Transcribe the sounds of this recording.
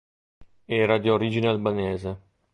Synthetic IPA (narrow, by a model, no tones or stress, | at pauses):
ɛːɾad̪ioɾiːd͡ʒinealbaneːze